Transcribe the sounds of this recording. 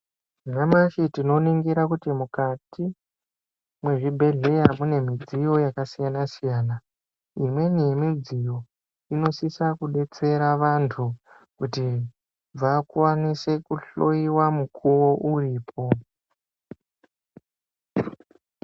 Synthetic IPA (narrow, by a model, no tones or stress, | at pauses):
ʐamaʃitino̞niŋɡiɾakutimukati | mwe̞ʐibʱe̞ɮe̞jamune̞mid͡zijo̞jakasijanasijaːna | imwe̞nijemid͡zijo̞ | ino̞sisakuɓe̞t͡se̞ɾaʋantʰu | kuti | ʋakwanise̞kuɬo̞iwamukʰuwo̞ʔuriːpʰo̞